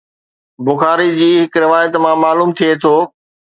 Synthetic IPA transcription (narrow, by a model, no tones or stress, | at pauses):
bʊxaːɾid͡ʑiːɦɪkɾɪʋaːjət̪mãmaːluːmt̪ʰiet̪ʰoː